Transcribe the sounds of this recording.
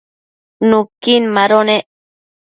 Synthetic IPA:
nukinmaɾoneʔ

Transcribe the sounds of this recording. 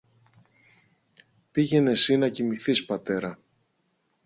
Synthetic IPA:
piʝe̞ne̞sinɐcimiθispɐt̪e̞ɾɐ

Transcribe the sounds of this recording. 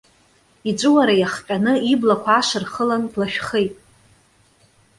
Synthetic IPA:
iʈ͡ʂʷʼɨwaɾajaχqʲʼanɨiblakʷʰaːʂɨrχəlanblaʃᶣχejtʼ

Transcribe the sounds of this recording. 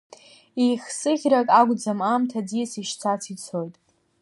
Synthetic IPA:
ejχʲsɨɣʲrakʼaɡʷd͡zamamtʰad͡zijsiʃt͡sʰat͡sʰit͡sʰo̞jtʼ

